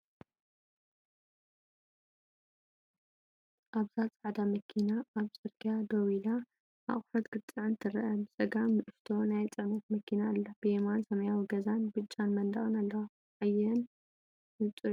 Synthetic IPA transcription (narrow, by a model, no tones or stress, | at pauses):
ʔaβzat͡sʼaʕd̪amɐkʰinaːβzɨɾɡʰjad̪owila | ʔa̰χʼɾɐt̪ɡ̥ɨt͡s̪ʼːɨʕɨnt̪ʰɨɾɐʔɐbɨsʼɐɡamːɨʔɨft̪ʰo̞najt͡sʼɨʕnɐt̪mɐkʰinaɨlːab̥ɨjemansɐmɐjawiɡɐzanbɨt͡ʃʼːanmɐnd̪ɐχʼɨnalːɐwa | ʕajːɐn | ɨt͡s̪ʼɨ